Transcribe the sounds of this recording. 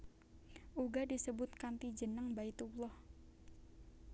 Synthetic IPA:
ʔuɡadisəbʊt̪̚kant̪id͡ʒənəŋbait̪ulɔh

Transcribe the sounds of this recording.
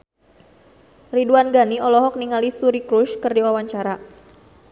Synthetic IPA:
riduanɡaniɔlɔɦɔk̚niŋalisuɾikɾuʃkərdiwawaɲt͡ʃaɾa

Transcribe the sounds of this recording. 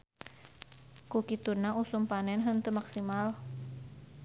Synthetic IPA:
kukit̪unaʔusumpanɛnɦənt̪əmaksimal

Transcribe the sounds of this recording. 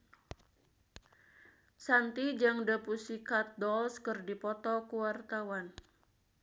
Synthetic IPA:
sant̪id͡ʒaŋdəpusikat̪̚dɔlskərdipɔt̪ɔkuwart̪awan

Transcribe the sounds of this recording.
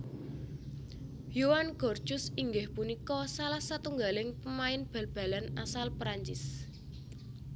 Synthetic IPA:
jowanɡ̥ɔ̤rd̥t͡ʃʊsiŋɡɪhpunikɔsalahsat̪uŋɡalɪŋpəmaɪnb̥a̤lb̥a̤lanasalpɾaɲt͡ʃɪ̰s

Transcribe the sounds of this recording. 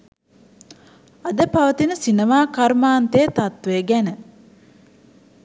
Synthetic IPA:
ad̪əpaʋət̪inəsinemaːkaɾmaːnt̪eːt̪at̪ʋeɡænə

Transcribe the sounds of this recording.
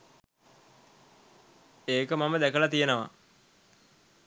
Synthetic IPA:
eːkəmaməd̪ækəlat̪ijənəʋa̰

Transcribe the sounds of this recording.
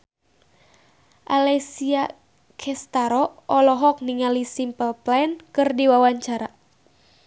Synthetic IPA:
ʔalɛsia | kʰɛst̪aɾɔʔɔlɔɦɔk̚niŋalisimpəlplankɨrdiwawaɲt͡ʃaɾa

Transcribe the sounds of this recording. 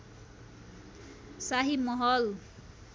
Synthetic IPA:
saɦimʌɦʌl

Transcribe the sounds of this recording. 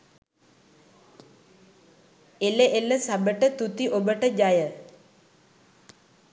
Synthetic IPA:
elːeʔelːəsabəʈət̪ut̪iʔobəʈəd͡ʑajə

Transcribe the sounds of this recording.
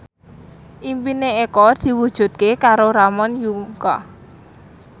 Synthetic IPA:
ʔimpineekɔd̪̥i̤wud̥ʒ̥ṳt̪̚kekaɾoɾamɔnjuŋkɔ̰

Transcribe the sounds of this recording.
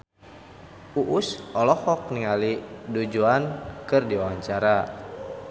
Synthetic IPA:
uʔusɔlɔhɔk̚niŋalidud͡ʒuankɨrdiwawaɲt͡ʃaɾa

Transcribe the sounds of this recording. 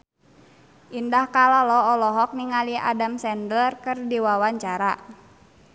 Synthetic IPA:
ʔindahkalalɔɔlɔɦɔk̚niŋalia̰damsɛndəlrkɨrdiwawaɲt͡ʃaɾa

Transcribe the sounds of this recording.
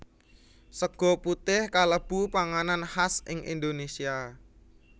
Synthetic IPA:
səɡ̥ɔ̤put̪ɪhkaləb̥upaŋananhasɪ̰ŋʔḭnd̪onesia

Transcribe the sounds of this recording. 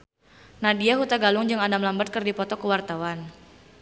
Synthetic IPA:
nadiaɦut̪aɡalʊŋd͡ʒɨŋandamlambat̪̚kɨrdipɔt̪ɔkəwart̪awan

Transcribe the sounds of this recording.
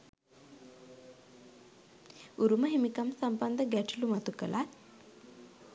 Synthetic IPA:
uɾuməɦimikamsamband̪əɡæʈulumat̪ukəlʔat̪

